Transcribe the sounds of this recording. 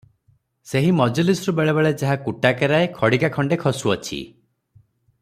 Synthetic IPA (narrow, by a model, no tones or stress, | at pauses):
seɦimɔd͡ʒɔlisɾubeɭebeɭed͡ʒaɦakuʈakeɾaekʰɔɽikakʰɔɳɖekʰɔsuɔt͡ʃʰḭ